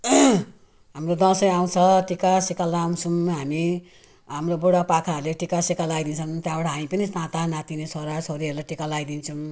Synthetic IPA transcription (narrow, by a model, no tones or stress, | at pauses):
ɦamrod̪ʌ̃sʌjaw̃t͡sʰʌʈikasekalaaw̃t͡sʰumɦami | ɦamroboɽapakʰaʌɾleʈikasekalajd̪int͡sʰʌnt̪jãbaʈaɦamipʌnisãt̪anãt̪inesʰoɾat͡sʰoɾiɦʌɾulaʈikalajd̪int͡sʰum